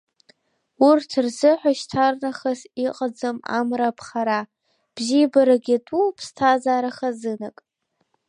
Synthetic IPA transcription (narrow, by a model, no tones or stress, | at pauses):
urtʰrzɨħʷaʃtʰarnaχasiqʼad͡zɨma̰mrapʰχaɾa | b̥zibaɾaɡʲɪtʼupʰstʰazaːɾaχazɨnakʼ